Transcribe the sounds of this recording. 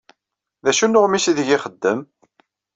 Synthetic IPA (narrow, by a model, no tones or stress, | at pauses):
ðæʃunʊʁmisiðəʝɪχəd̪ːəm